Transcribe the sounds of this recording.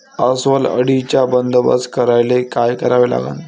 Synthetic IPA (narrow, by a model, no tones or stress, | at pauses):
əsʋələ̰ɽit͡ɕjabənd̪əbə̰skəɾajlekajkəɾaʋela̰ɡa̰n